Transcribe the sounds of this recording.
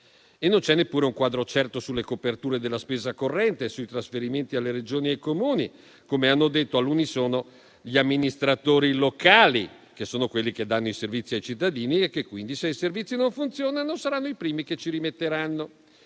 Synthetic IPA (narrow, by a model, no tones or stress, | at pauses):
enːont͡ʃɛnːepːuːɾeuŋkwaːd̪ɾot͡ʃɛrt̪osulːekopert̪uːɾed̪elːaspeːzakorːɛnt̪esuit̪ɾasfeɾiment̪ialːeɾed͡ʒoːniajkomuːni | komeanːod̪et̪ːoalːunisoːno | ʎiamːinist̪ɾat̪oːɾilokaːli | k̟esːoːnokwelːik̟ed̪ːanːoiservit̪sːiajt͡ʃit̪ːad̪iːniekːekːwind̪iseiservit̪sːinoɱfunt̪sjoːnanosaɾanːoipɾiːmiket͡ʃiɾimet̪ːeɾanːo